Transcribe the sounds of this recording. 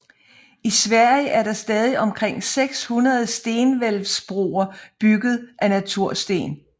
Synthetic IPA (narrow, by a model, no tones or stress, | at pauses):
isʋæɐ̰jəʔæɐɾɑ̈sd̥ɛːð̞ˠiʔɒ̽mkʰʁeŋ̰seɡ̥shunɐð̞̩ˠsd̥e̝ːnʋelʋsb̥ʁo̝̰ːɐb̥yɡ̥ð̞̩ˠʔænæt͡sʰuɐ̰sd̥e̝̰ːn